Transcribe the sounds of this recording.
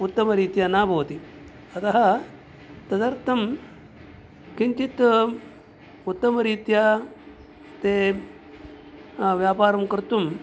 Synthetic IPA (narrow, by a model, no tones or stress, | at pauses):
ut̪ːɐmɐɾiːt̪janaːbʱɐʋɐt̪i | ɐt̪ɐɦɐ | t̪ɐd̪ɐɾt̪ʰɐm | kint͡ʃit̪ | ut̪ːɐmɐɾiːt̪ja | t̪eː | ʋjaːpaːɾɐmkɐɾt̪um